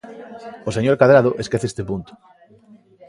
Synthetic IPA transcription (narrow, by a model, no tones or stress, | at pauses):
oseɲoɾkaðɾað̞oʔeskeθest̪epunt̪ʊ̥